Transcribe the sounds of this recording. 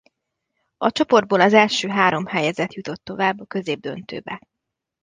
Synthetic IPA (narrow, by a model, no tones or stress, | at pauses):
ɒt͡ʃo̞po̞rd̪̚boːlɒzɛlʃøːɦaːɾo̞mhɛjɛzɛt̪jut̪o̞t̪ːo̞vaːbːɒkø̞zeːb̚d̪ø̞̰nt̪ø̰ːbɛ